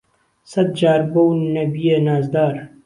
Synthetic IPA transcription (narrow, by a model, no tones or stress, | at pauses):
sɐd̪̚d͡ʒaːɾbownɐbijenaːzd̪aːɾ